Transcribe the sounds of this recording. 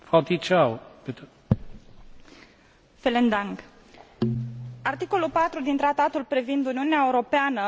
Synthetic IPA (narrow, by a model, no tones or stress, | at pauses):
fawt̪it͡ʃawpet̪ | felend̪aŋɡ | art̪iko̞lulpat̪ɾud̪int̪ɾat̪at̪ulpɾivind̪uniuneaeuɾo̞peanə